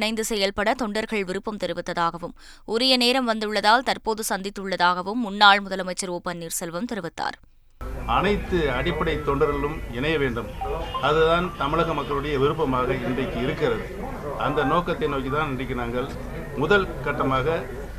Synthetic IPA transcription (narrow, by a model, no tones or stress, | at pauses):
nɐɪnd̪ɯsɛjɐlpɐɽɐt̪ɔɳɖɐɾɣɐɭʋɪɾɯpːɐmt̪ɛɾɯʋɯt̪ːɐðaːɣɐʋɯm | ʔʊɾɪjɐneːɾɐmʋɐnd̪ɯɭːɐðaːlt̪ɐɾpoːðɯsɐnd̪ɪt̪ːɯɭːɐðaːɣɐʋɯmːʊnːaːɭmʊðɐlɐmɐɪt͡ʃːɐɾoːpːɐnːiːɾsɛlʋɐmt̪ɛɾɯʋɪt̪ːa̰ːɾ | ɐnɐɪt̪ːɯɐɽɪpːɐɽɐɪt̪ːɔɳɖɐɾɐlɯmɪɳɐjɐʋeːɳɖɯmɐðɯðaːnt̪ɐmɪɭɐɣɐmɐkːɐɭɯɽɐjɐʋɪɾɯpːɐmaːɣɐɪndrɐɪkːɯɪɾɯkːɪrɐðɯ | ɐnd̪ɐnoːkɐt̪ːɐɪnoːkit̪aːnɪnrɪk̬ːɪnaːŋɡɐɭ | mʊðɐlkɐʈːɐmaːɣɐ